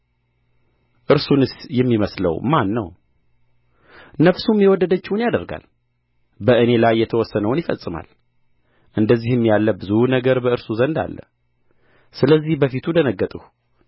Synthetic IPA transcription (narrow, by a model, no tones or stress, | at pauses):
ʔɨɾsunɨsjɛmːiməslə̰wmanːə̰w | nəfsumjɛwɔd̪ːəd̪ət͡ʃːɪwʊnjad̪əɾɡa̰l | bəʔɨne̞lajːɛt̪ʰəwɔsːənəwnjɪfə̰sʼːɨma̰l | ʔɨnd̪əzːihɨmːjalːəbɨzunəɡəɾbəɨɾsuzənd̪a̰lːə̰ | sɨləzːihbəfit̪ʰud̪ənəɡːət̪ʼuh